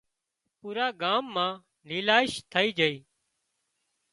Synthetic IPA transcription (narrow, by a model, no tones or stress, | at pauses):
puːɾaːɡaːmːãː | liːlaːɪʃt̪ʰəiːd͡ʒəiː